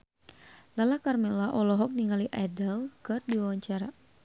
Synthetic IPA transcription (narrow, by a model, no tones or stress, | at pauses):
lalakarmɛlaʔɔlɔɦɔk̚niŋaliʔadəlkɨrdiwawaɲt͡ʃaɾa